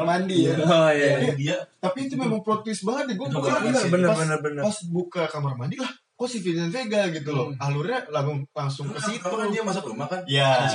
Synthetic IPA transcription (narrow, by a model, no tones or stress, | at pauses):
mandijaajadiat̪apit̪umemaŋpɾot̪ɪsbaŋət̪̚dɛɡuabukaəbənəbənərbənəpasbukakamarmandilah | kosifinanfeɡalɡit̪̬ulɔhaluralabaŋlaŋsʊŋkəit̪uadiamas̬apəmakanja